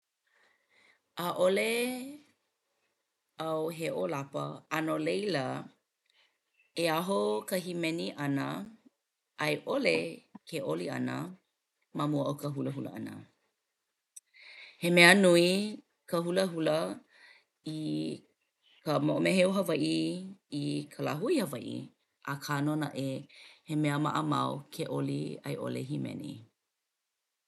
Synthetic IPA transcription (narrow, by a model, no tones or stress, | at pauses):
ʔaʔole | awɦeʔolapə̰anolejlə | eaɦokəɦimɛniʔɐnə̰ | ʔɐjʔolekʰeʔoliɐ̰nə̰ | mamuəʔowkəɦuləɦulə̰ɐ̰nə̰ | hemɛənui | kəhuləɦulə | i | kəmoʔomeɦeuɦɐvajʔiikʰəlaɦuihɐvajʔḭ | ʔakʰanonaʔehemɛəma̰ʔəma̰wkʰeʔolḭɐ̰jʔo̰lḛɦimɛ̰nḭ